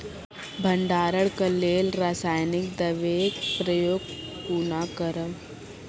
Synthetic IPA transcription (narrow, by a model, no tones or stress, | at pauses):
bʱə̃ɳɖaːɾəɽkəleːlɾaːsaːjnɪkd̪ɐʋeːɡpɾəjoːɡpuːnaːkəɾəʋ